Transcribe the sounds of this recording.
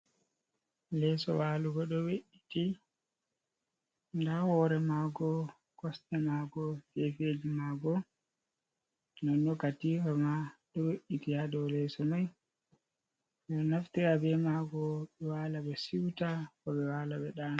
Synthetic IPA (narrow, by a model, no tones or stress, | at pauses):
lɛsɔ̰waːluɡɔɗɔweʔiti | ndahɔɾɛmaːɡɔ | kɔstɛmaːɡɔfefed͡ʒimaɡɔ | nanɗɔkatifamaɗɔweʔːitijadɔwlɛsɔmaj | ɛnaftiɾabɛmaɡɔɓɛwalaɓɛsiwtakɔɓɛwaːlaɓɛɗaːna